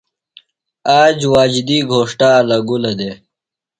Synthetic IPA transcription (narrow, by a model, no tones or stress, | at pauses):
aːd͡ʑwaːd͡ʑd̪iːɡʱoːʂʈaːlɐɡulɐd̪e